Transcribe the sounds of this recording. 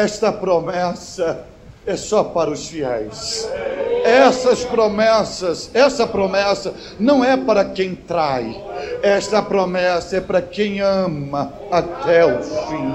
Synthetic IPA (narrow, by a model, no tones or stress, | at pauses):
ɛst̪ɐpɾomɛsɐ | ɛsɔpaɾɐʊsfiɛ̰js | ɛsɐspɾomɛsɐsɛsɐpɾomɛsɐ | nɐ̃w̃ɛpaɾɐkẽj̃t̪ɾaj | ɛst̪ɐpɾomɛsɐɛpaɾɐkẽj̃ɐ̃mɐ | at̪ɛʊfĩ